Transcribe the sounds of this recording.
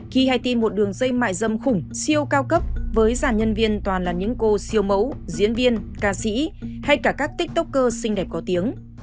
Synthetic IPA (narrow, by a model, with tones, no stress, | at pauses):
xi˧ha˧jt̪i˧nmo˨˩t̚ɗɨ˨˩əŋzə˧jma̰ː˧˨jzə˧mxʊ˨˧˩ŋ͡msi˧əwkaː˧wkə˦˥p̚vəː˨˦jzaː˧˩nɲə˧nvi˧ənt̪waː˨˩nlaː˨˩ɲɨ̰˧˥ŋko˧si˧əwmə˨˦wzḭ˧˥ənvi˧ənkaː˧sḭ˧˥ha˧jkaː˧˩kaː˦˥k̚t̪ï˦˥k̚t̪ʊ˦˥k͡p̚kəː˧sï˧ŋ̟ɗɛ˨˩p̚kɔ˨˦t̪i˨˦əŋ